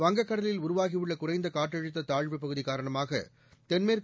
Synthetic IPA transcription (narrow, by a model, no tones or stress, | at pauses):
ʋɐŋɡɐkːɐɽɐlɪlʊɾʊʋaːɣɪʋɯɭːɐkʊrɐɪnd̪ɐkaːʈːɐɻɯt̪ːɐt̪aːɻʋɯpːɐɣɯðikaːɾɐɳɐmaːɣɐ̰ | t̪ɛnmeːɾ